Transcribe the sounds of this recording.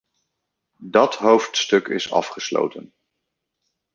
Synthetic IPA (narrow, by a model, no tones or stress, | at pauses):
dɑtɦowftstɵkɪsɑ̰fχəslo̰wtən